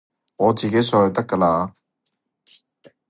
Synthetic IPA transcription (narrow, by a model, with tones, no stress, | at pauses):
ŋɔː˨˧t͡siː˨ke˨˥jsɔː˧jɐ˧wt̪ɐ˥kːaː˧laː˧